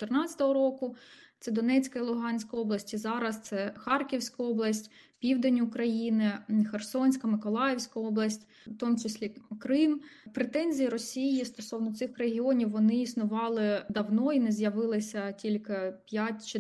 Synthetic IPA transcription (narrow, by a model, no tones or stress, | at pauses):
t̪ernɑt͡sʲɐ̥t̪ɔɦɔɾɔkʊt̪sɛd̪ɔnɛt͡sʲkɐilˠʊɦɑnʲsʲkɐɔblˠɐsʲtʲizɑɾɐst̪sɛxɑrkʲiwsʲkɐɔblˠɐsʲtʲ | pʲiwd̪enʲʊkɾɐjinɪxersɔnʲsʲkɐmɪkɔlˠɑjewsʲkɐɔblˠɐsʲtʲ | t̪ɔmʊt͡ʃɪsʲlʲikɾɪmpɾet̪ɛnʲzʲijɐɾɔsʲijist̪ɔsɔwnɔt̪sɪxreɦʲiɔnʲiwːɔnɪisnʊʋɑlˠɪd̪ɐwnɔinɛzjɐʋɪlˠɪsʲɐtʲilʲkɪpʲjatʲt͡ʃɪ